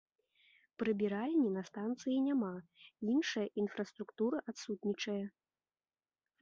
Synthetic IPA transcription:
pɾɨbʲiɾalʲnʲinɐst̪ant̪sɨjinʲamainʂɐjɐʔinfɾɐst̪ɾukt̪uɾɨʔat̪sut̪nʲit͡ʂɐjɐ

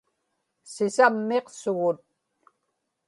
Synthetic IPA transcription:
sɪsamːeqsʊɣʊt̪̚

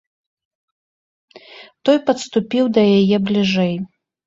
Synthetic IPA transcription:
t̪ɔjpɐt̪st̪upʲiwd̪ɐjajɛblʲiʐɛj

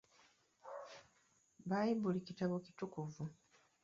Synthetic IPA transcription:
βaːjibulicitaβoci̥tukuvu

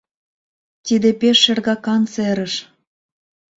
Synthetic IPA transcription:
t̪id̪epeʃːerɣɑkɑnt͡seɾəʃ

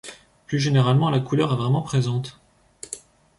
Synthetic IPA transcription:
plyʒeneʁalmɑ̃lakulœʁɛvʁɛmɑ̃pχezɑ̃t̪

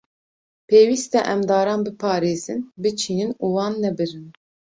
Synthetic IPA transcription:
pʰeːwiːst̪ɛʔɛmd̪ɑːɾɑːnbɨpʰɑːɾeːzɨnbɨt͡ʃʰiːnɨnuːwɑːnːɛbɨɾɨn

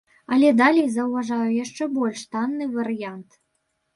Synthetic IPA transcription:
ɐlʲɛd̪alʲɛjzɐwvaʐajujaʂt͡ʂɛbɔlʲʂt̪anːɨvɐɾɨjant̪

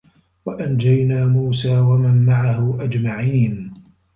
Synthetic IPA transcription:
waʔand͡ʒajnaːmuːsaːwamanmaʕaɦʊʔad͡ʒmaʕiːn

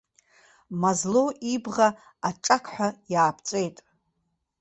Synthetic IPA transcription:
mazloʔibʁa | aʈ͡ʂʼakʰħʷᶣajaːpʰt͡sʼejtʼ

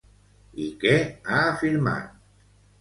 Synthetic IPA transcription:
ikeaːfilma̰t̪

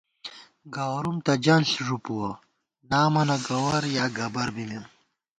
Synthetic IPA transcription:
ɡaːwɾumt̪ɐd͡ʑɐnsʐupuwɐ | naːmɐnɐɡɐwɐɾjaːɡɐbɐɾbime

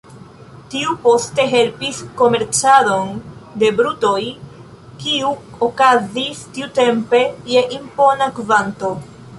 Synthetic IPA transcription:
tiupo̞ste̞ɦe̞lpisko̞me̞ɾt͡sado̞nde̞bɾuto̞j | kiu | okazistiute̞mpe̞je̞ʔimpo̞nakvanto̞

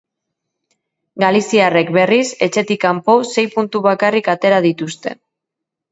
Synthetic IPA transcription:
ɡalisiare̞kbe̞rise̞t͡ʃe̞t̪ikampose̞jpunt̪uβakarikat̪e̞ɾað̞it̪ust̪e̞̰

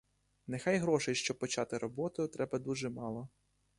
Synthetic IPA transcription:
nexɑjɦɾɔʃɛjʃt͡ʃɔb̚pɔt͡ʃɑt̪ɪɾɔbɔt̪ʊjʊt̪ɾɛbɐd̪uʒɛmɑlˠɔ

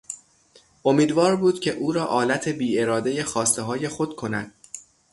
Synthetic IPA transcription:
ʔomiːd̪vɒːɾbuːd̪̥cʲʰe̞ʔuːɾɒːʔɒːlæt̪ʰe̞biːe̞ɾɒːd̪e̞je̞xɒːst̪eɦɒːje̞xo̞d̪̥kʰo̞næd̪̥̚

